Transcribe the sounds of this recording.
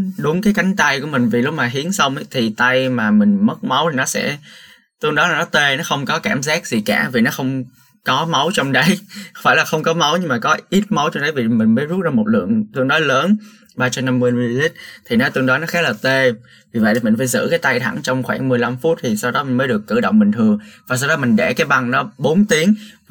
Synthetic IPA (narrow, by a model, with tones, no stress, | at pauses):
ɗʊ˨˦ŋ͡mkaː˨˦jka˨˦jŋ̟t̪a˧jkṵ˧˩əmï˨˩ŋ̟vi˨˩lʊ˦˥k͡p̚maː˨˩ɦi˨˦ənsə˧wŋ͡mʔt̪ʰi˨˩t̪a˧jmaː˨˩mï˨˩ŋ̟mə˦˥t̚ma˨˦wt̪ʰi˨nɔ˨˦sɛ̰˧˥ | t̪ɨ˧əŋɗɔ˨˦laː˨˩nɔ˨˦t̪e˧nɔ˨˦xə˧wŋ͡mkɔ˨˦kaː˧˩mzaː˦˥k̚zi˨˩kaː˧˩vi˨˩nɔ˨˦xə˧wŋ͡m | kɔ˨˦ma˨˦wt͡ɕɔ˧wŋ͡mɗə˨˦jxwfaː˧˩jlaː˨˩xə˧wŋ͡mkɔ˨˦ma˨˦wɲɨ˧ŋmaː˨˩kɔ˨˦ʔi˦˥t̚ma˨˦wt͡ɕɔ˧wŋ͡mɗə˨˦jvi˨˩mï˨˩ŋ̟məː˨˦jzu˦˥t̚zaː˧mo˨˩t̚lɨ̰˧˨əŋt̪ɨ˧ənɗɔ˨˦jləː˨˦n | ɓaː˧t͡ɕɔ˧na˧mwi˧n˧zi˦˥t̚t̪ʰi˨˩nɔ˨˦t̪ɨ˧əŋɗɔ˨˦nɔ˨˦xaː˦˥t̚ləː˨˩t̪e˧ | vi˨˩və̰˧˨jt̪i˨˩mï˨˩ŋ̟faː˧˦jzɨ̰˧˥kaː˨˦jt̪a˧jt̪ʰa˧˩ŋt͡ɕɔ˧wŋ͡mxwa̰ː˧˩ŋmɨ˨˩əjla˧mfu˦˥t̚t̪ʰi˨˩sa˧wɗɔ˨˦mï˨˩ŋməː˨˦jɗəkːɨ˧˩ɗo̰˧˨wŋ͡mɓï˨˩ŋ̟t̪ʰɨ˨˩əŋvaː˨˩sa˧wɗɔ˨˦mï˨˩ŋ̟ɗɛ˧˩kaː˨˦jɓa˧ŋnɔ˨˦ɓo˨˦nt̪i˨˦əŋ